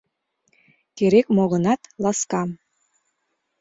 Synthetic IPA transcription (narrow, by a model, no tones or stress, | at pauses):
keɾekmoɣɤ̆nɑt̪lɑskɑm